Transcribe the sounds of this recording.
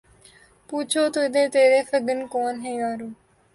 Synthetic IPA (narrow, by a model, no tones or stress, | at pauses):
puːt͡ʃʰoːt̪oːɪd̪ẽːt̪eːɾeːfəɡənkoːnɦeːʋaːɾoː